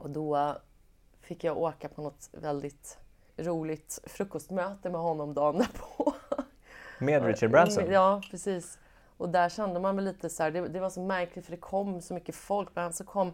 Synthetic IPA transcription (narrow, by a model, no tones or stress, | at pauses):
ɔd̪ɔ | fɪkːjaoːkapʰɔnɔt̪vɛld̪ɪt̪ | ɾuːlɪt̪fɾɵkːɔst̪møːt̪əmɛɦɔnːɔmd̪ɑːnəpʰɔ | meːd̪ɾɪʃaɖbɾansɔnjɑːpʰɾɛsiːs | ʔɔd̪æʂɛnd̪əmanmɛɪliːt̪əsɔæːɖɛd̪ɛvasɔmæɾklɪt̪fəɖɛkʰɔmːsɔmʏkːəfɔlkːmɛhansɔkʰɔmː